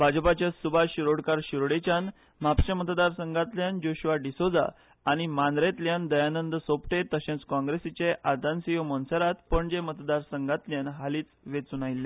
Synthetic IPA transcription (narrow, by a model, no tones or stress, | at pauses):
bʱad͡ʑpat͡ɕasubʱaɕiɾoɽkaɾɕiɾɽet͡ɕan | m̤apt͡ɕamət̪d̪aɾsəŋɡat̪ljand͡ʑoɕʋaɖisod͡za̰ː | ɽ̃imand̪ɾet̪ljãnd̪əjanənd̪əsopʈet̪əɕẽnt͡skɔ̃ŋɡɾesit͡ɕeʔad̪ansijomɔnsəɾat̪pəɳd͡ʑemət̪d̪aɾsəŋɡat̪ljanɦaliːt͡sʋet͡sunajilːẽ